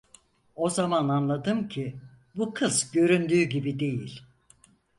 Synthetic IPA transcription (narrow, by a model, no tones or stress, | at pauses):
o̞zamananlˠad̪ɯmcʰi | bukʰɯzɟø̞ɾynd̪yːɟibid̪e̞jḭlʲ